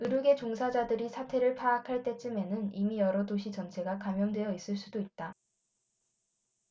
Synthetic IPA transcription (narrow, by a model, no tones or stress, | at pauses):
ɯɾuɡe̞t͡ɕoŋsʰad͡ʑadɯɾisʰatʰe̞ɾɯɭpʰaːkʰaɭt͈e̞t͡ɕ͈ɯme̞nɯnimijʌɾʌdoɕʰit͡ɕʌnt͡ɕʰe̞ɡakamjʌndwe̞jʌis͈ɯɭs͈udoit̚t͈a